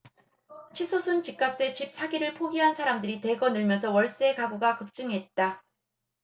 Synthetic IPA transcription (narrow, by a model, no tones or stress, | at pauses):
t͡ɕʰisʰosʰunt͡ɕik͈ap̚s͈e̞t͡ɕip̚s͈ʰaɡiɾɯɭpʰoɡiɦansʰaɾamdɯɾite̞ɡʌnɯɭmjʌnsʰʌwʌɭs͈e̞kaɡuɡakɯp̚t͡ɕ͈ɯŋɦe̞t̚t͈a